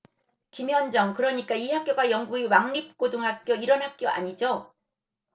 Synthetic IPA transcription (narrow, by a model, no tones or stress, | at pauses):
kimjʌnd͡ʑʌŋkɯɾʌɲik͈aiɦak͈joɡajʌŋɡuɡiwaŋɲip̚k͈odɯŋɦak̚k͈joiɾʌnɦak͈̚joʔa̰ɲid͡ʑo